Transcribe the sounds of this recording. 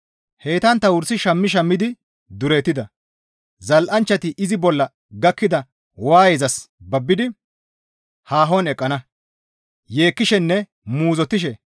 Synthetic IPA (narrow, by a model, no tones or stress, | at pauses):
he̞ːt̪ɐnt̪ːɐwʊɾsɪʃɐmːɪʃ̬ɐmːɪd̪ɪ | d̪ʊɾeːt̪ːɪd̪ɐ | zɐlʔɐnt͡ʃːɐt̪ɪʔɪzɪbɔlːɐ | ɡɐkːɪd̪ɐ | waːjezɐs | bɐbːɪd̪ɪ | haːɦɔnɛkʼːɐnɐ | je̞ːkːɪʃɛnːɛ | muːzɔt̪ːɪʃ̬ɛ